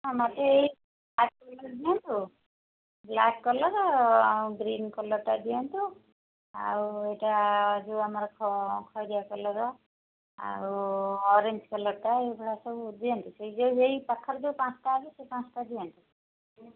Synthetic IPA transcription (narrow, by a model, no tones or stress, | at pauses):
ɔ̃mat̪eei | blak̚kɔlɔɾd̪ijɔnt̪u | blakkɔlɔɾɔawɡɾinkɔlɔʈad̪ijant̪u | a̰ɾueʈaːd͡ʒuamaɾɔkʰɔkʰɔjd̪ijakɔlɔɾɔ | a̰ɾuɔɾeɲd͡ʒkɔlɔɾʈaebʱɔɽasɔbud̪iɔnt̪usejd͡ʒewejpakʰːɔɾd͡ʒewpãt͡ʃʰʈaːbisepãt͡sʰʈad̪ijant̪u